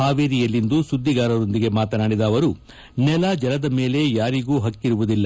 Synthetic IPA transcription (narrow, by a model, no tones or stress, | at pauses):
aːʋeːɾijɐlːind̪usud̪ʱːiɡaːɾɐɾo̞nd̪iɡe̞maːt̪ɐnaːɽid̪aːʋɐɾu | nɛlɐd͡ʒɛlɐd̪ɐme̞ːle̞jaːɾiɡuːɦɐkːiɾuʋud̪ilːɐ